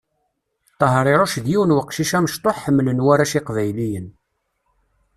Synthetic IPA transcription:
t̪ˤːəɦɾˤɪɾˤoʃðjiwənwəqːʃiʃæməʃt̪ˤoħːəmːlənwæɾæʃiqvæjlijən

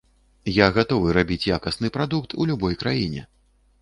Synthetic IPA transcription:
jaɣat̪ɔvɨɾabʲit͡sʲjakɐsnɨpɾad̪ukt̪ʰulʲubɔjkɾajinʲɛ̰

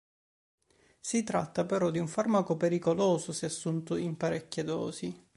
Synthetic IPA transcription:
sit̪ɾat̪ːapeɾɔd̪iuɱfarmakopeɾikoloːsosɛasːunt̪oimpaɾekːed̪ɔ̰ːzi

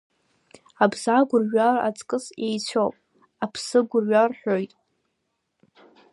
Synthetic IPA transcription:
abzaɡʷʊrɥara̰t͡sʼkʼɨsejt͡sʷʰopʼ | apʰsɨɡʷʊrɥarħᶣojtʼ

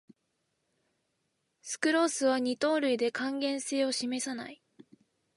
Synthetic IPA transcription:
sɨ̥kɯ̟ɾo̞ːsɨβ̞aɲ̟it̪o̞ːɾɯ̟id̪e̞kãŋɡẽ̞ɰ̃se̞ːo̞ɕime̞sana̰i

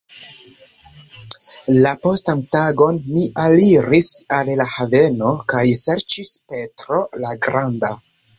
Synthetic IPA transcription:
lapo̞stantaɡo̞nmiʔaliɾisallahave̞no̞kajse̞ɾt͡ʃispe̞tɾo̞laɡɾanda

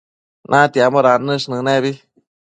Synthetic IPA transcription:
nʔãt̪jamoɾanɨ̃ʂnɨ̃nɛbi

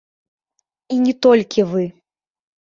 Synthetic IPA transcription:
inʲɛt̪ɔlʲkʲivɨ

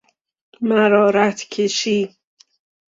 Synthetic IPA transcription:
mæɾɒːɾæt̪ʰkʲʰeʃiː

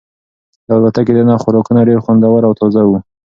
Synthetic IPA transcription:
albat̪aked̪ənɑxʊɾɑkunaɖeɾxwand̪awaɾawt̪ɔzawu

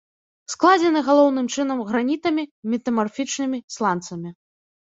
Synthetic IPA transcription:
sklˠad͡zʲɛnɨɣalˠɔwn̪ɨmt͡ʂɨnɐmɣɾanʲit̪ɐmʲimʲit̪ɐmarfʲit͡ʂnɨmʲislˠant̪sɐmʲi

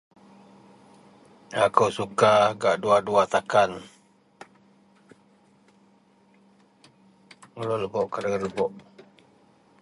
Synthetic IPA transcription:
akəwsukaɡaʔduaduat̪akan | ŋəloləbɔʔkadaɡaləbɔʔ

